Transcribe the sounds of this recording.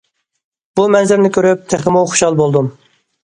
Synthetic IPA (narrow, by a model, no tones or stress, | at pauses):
b̥umɛnzɪɾnɪkʲøɾyp̚t̪ʰæχəmuχo̥ʃɑlˠbolˠd̪um